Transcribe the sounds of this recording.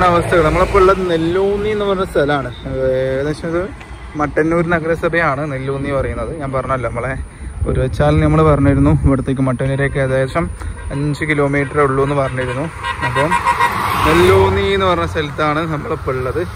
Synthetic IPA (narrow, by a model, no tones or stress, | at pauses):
ɳɐʋɐst̪ʰɐɣɐɭnɐmːɐɭpːoːuɭːɐðɨnelːoːnːienːɨpɐrɐɲːɐst̪ʰɐlɐaːɳɨeɣɐðeːʂɐmɐðɨ | mɐʈːɐneoɾunɐɣɐɾesɐbɐjaːɳɨnelːoːnːijpɐrɐjunːɐðɨɲaːnpɐrɐɲumɐlːɐnɐmːɐɭe | oɾuʋet͡ɕːaːlnɐmːɐɭpɐrɐɲːujiɾunːuʋɐɽut̪ːeːk̬ːɨmɐʈːɐneɾeːkːeɐðejʂɐmɐɲd͡ʑɨkilo̞ːmiːʈːɐruɭːoenːɨpɐrɐɲːujiɾunːuɐpːoːmnelːoːnːienːɨpɐrɐɲːɐst̪ɐlit̪ːaːɳɨnɐmːɐɭepːouɭːɐðɨ